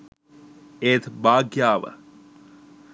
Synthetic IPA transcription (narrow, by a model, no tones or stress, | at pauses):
eːt̪baːɡjaːʋə̰